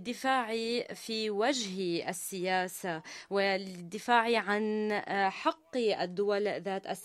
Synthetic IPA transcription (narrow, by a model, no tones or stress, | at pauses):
d̪ːɪfaːʕifiwad͡ʒhiʔasːɪjaːsawɪlɪd̪ːɪfaːʕiʕanħɑqːiʔad̪ːʊwalðaːt̪ʔas